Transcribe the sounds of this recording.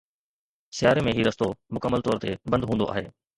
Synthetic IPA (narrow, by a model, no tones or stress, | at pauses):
sɪjaːɾemẽɦiːɾɐst̪omʊkəmːəlt̪ɔːɾt̪ebɐ̃nd̪ɦũːnd̪o̰ʔa̰ːɦḛː